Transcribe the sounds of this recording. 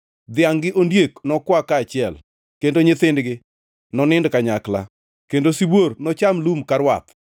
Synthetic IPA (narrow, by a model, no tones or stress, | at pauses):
d̪ɪaŋɡɪʔondjeknɔkwakaːt͡ʃɪɛl | kendoɲɪt̪ɪndɡɪ | nɔnɪndkaɲakla̰ | kendosibornɔt͡ʃamlumkaɾwa̰t̪